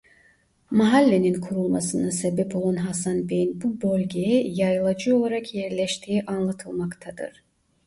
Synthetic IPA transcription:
maɦalʲːe̞ninkʰuɾulˠmasɯnɯsebɛpʰo̞lˠanɦasanbejinbubølʲɟejɛjajɯlˠad͡ʒɯo̞lˠaɾakʰjɛɾlʲɛʃt̪ʰiːʔanlˠat̪ʰɯlˠmakt̪ʰad̪ɯ̰ɾ̥

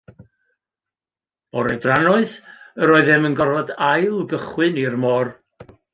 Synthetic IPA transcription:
ɔɾɛdranɔɨðəɾɔːɨðɨmənɡɔrvɔdajlˠɡəχwɨnirmɔːr

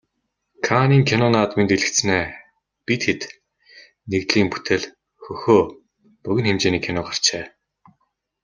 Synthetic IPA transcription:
kʰaniːŋkʰenɔnaːt̪mint̪eɮɘ̆k̪sneː | pit̪xet̪ | nekt̪ɮiːŋpu̥t̪ʰĕɮ | xɵxoː | pɵɣɘ̆nxemt͡ɕeːniːkʰːenɔːɢar̥t͡ɕeː

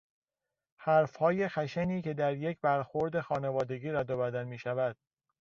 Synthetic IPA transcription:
hæɾfhɒːje̞xæʃæniːce̞d̪æɾje̞cʰbæɾxoɾd̪e̞xɒːne̞vɒːd̪e̞ɡiːɾæd̪obæd̪ænmiːʃævæd̪̥̚

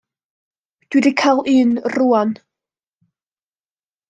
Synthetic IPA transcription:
d̥wɪdikʰalˠɨːnruan

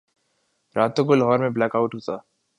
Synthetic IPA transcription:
ɾʔaːt̪okolɦɔːɾmẽblɛːkaʊʈɦoːt̪aː

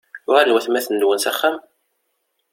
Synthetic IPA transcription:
ʊʁænwæθmæθəndwənsæχːæm

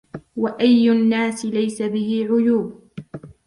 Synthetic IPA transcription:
waʔajːʊnːaːsɪlajsabɪhɪʕʊjuːb

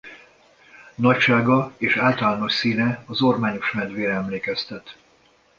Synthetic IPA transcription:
nɒcʃaːɡɒeːʃaːlt̪ɒlaːno̞ʃsiːnɛɒzormaːɲo̞ʃmɛnd̪ʋeːɾɛɛmleːkɛst̪ɛt̪

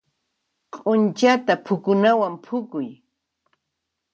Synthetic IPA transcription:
qʼʊnt͡ʃat̪apʰʊkʊnawampʰʊkʊj

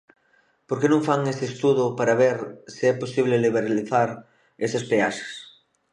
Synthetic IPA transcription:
poɾkenõŋfaŋest̪eːst̪uðʊpaɾaβ̞eɾsiɛposiβ̞leliβeɾaliθaɾ | esɐspeaʃḁs

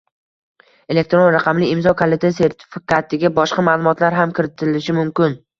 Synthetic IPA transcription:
e̞le̞k̚t̪ɾonɾaqʰɑmlɪɪmzɒkʰolˠet̪ʰase̞ɾt̪ʰɪ̥fɪkʲʰat̪ʰɪɡʲabɒʃqɑmaːlˠʊmɒt̪ʰlaɾɦamkʲʰɪɾɪt̪ʰɪlɪʃɪmʊmkʲɪn

